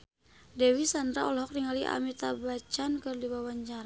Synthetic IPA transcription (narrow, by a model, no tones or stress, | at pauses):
dɛwisandɾaɔlɦɔk̚riŋaliʔa̰mit̪abat͡ʃankərdibawaɲt͡ʃaɾa